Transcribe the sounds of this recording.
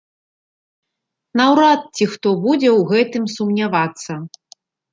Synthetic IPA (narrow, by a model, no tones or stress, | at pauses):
nawɾat̪̚t͡sʲixt̪ɔbud͡zʲɛwɣɛt̪ɨmsumnʲavat̪sːɐ